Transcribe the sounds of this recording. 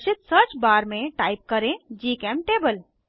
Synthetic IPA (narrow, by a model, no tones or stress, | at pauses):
sit̪sət͡ʃbaɾmeʈaip̚kəɾẽd͡ʒikɛmʈebəl